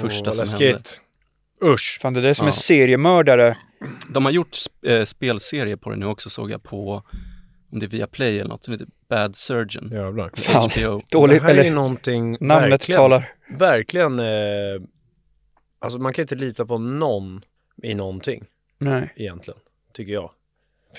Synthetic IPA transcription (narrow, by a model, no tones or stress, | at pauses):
fœʂasɔmɛɪd̪ | ɵfaːnd̪ɛd̪æsɔmɛseːɾɪəmœːɖaɾə | d̪ɔmhaɾjʊʈːsspeːlseːɾɪəpʰɔd̪ɛ̰nʉ̟ːɔksɔso̰ːɡja̰pʰɔ | ɔmd̪ɛævɪːapʰlɛjɛlə̰nɔ̰t̪sɔmheːt̪əb̥æd̪sœd͡ʒə̰naɪod̪̥oːlɪɦɛlːənɔnt̪ʰɪŋnamɾət̪ʰːɑːlaɾ | væɾklɪɡən | ʔalsɔmankʰanɪnt̪əliːt̪apʰɔnɔn | ɪnɔnt̪ʰɪ̰ŋː | nɛɛjɛnt̪lɪɡən | t̪ʰʏkːəjɑ̰ː